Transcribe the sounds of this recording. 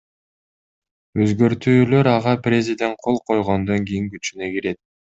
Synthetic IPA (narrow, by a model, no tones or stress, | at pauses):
øzɡø̞ɾt̪yːlø̞ɾɑʁɑprʲezʲɪd̪ʲe̞nt̪̚qʰo̞lˠqʰo̞jʁond̪o̞ŋɡijiŋɡyt͡ʃynekiɾe̞t̪̚